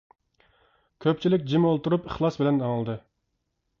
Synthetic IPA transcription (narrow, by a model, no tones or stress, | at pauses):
kʲʰøp̚t͡ʃʰilɪkʲd͡ʒimolˠt̪uɾupiχlˠɑsbɪlɛnɑŋlˠd̪ɨ